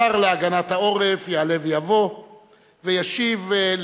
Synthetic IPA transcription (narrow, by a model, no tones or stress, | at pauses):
aʁleaɡanat̪hao̞ʁefjeale̞vjavo̞ | vejaʃivl